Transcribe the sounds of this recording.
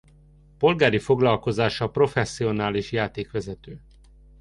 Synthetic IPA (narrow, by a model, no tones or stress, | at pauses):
po̞lɡaːɾifo̞ɡlɒlko̞zaːʃɒpro̞fɛsːio̞naːliʃjaːt̪eːkʋɛzɛt̪øː